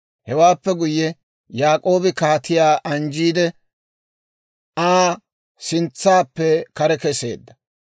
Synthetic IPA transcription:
hɛwaːpːɛɡʊjːɛ | jaːkʼo̞ːbɪkaːt̪ɪjaːʔɐnd͡ʒiːd̪ɛ | aː | sɪnt͡sːaːpːɛkɐɾɛkɛse̞̰ːd̪ːɐ

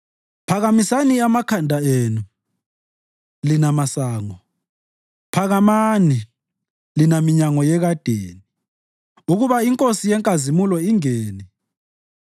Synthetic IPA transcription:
pʰaɣamisaniamakʰandʱaeːnu | linamasaːŋɔ | pʰaɣamani | linamiɲaŋɔjɛɣad̥ʱḛːni | uɣuβaiŋkʼosijɛŋkʼazimulɔiŋeːni

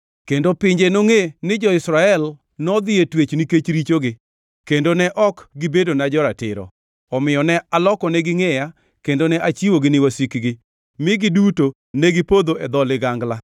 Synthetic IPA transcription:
kendopɪɲd͡ʒenoŋenɪd͡ʒɔɪsɾaɛl | nɔd̪ɪetwet͡ʃnɪket͡ʃɾit͡ʃoɡɪ | kendonɛʔɔkɡɪbedonad͡ʒɔɾatɪ̰ɾɔ̰ | ɔmɪjɔnɛalɔkɔnɛɡɪŋɛja | kendonɛʔat͡ʃiwoɡɪnɪwosikɡɪ | mɪɡɪduto | nɛɡɪpod̪oɛd̪ɔlɪɡaŋɡla

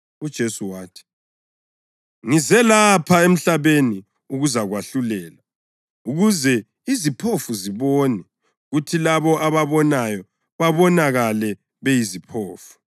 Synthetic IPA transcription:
ud̥ʒ̥ʱesuwaːtʰi̥ | ŋizɛlapʰaem̩ɬaβeni | uɣuzaɣwaɬulɛːla | uɣuzɛ | izipʰofuziβoːnɛ | ɣutʰilaβɔʔaβaβɔnajɔ | βaβɔnaɣalɛ | βejizipʰoːfu̥

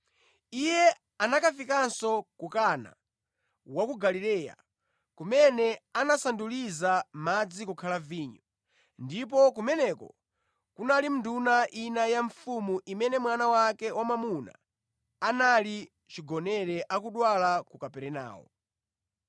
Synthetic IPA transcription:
ijɛ | anakafikansɔkukana̰ | wakuɡalilɛːja̰ | kumɛnɛanasandulizamad͡zikukʰalaviːɲɔ | ndip̬ɔkumɛnɛkɔ̰ | kunalim̩dunaʔinajaɱfumuʔimɛnɛmwanawakɛwamamuna̰ː | nali | t͡ʃiɡɔnɛɾɛʔakuɗwalakukapɛɾɛna̰ːwɔ̰

